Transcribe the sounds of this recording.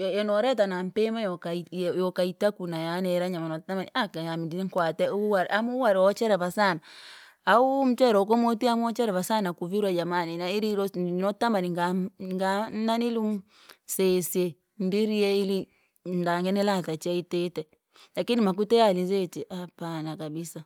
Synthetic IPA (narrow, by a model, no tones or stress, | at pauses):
jɔnɔɾɛt̬anam̩pemajɔkajɔkaitakunajanɛɾaɲamanɔtamaniakajamdiniŋkwatɛuwaɾamuwaɾɔt͡ʃɛɾɛβasana | aum̩t͡ʃɛɾɔk̬omotiamɔt͡ʃɛɾɛβasanakuviɾwad͡ʒamaninaiɾiɾɔnɔtamaniŋɡaŋɡananilum | sesje | ndiɾieili | ndaŋɡɛnɛlatat͡ʃaitetɛ | lakinimak̬utɛalizet͡ʃiʔapanakabisa